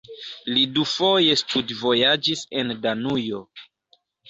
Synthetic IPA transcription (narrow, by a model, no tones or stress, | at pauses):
lidufo̞je̞studvo̞jad͡ʒisendanujo̞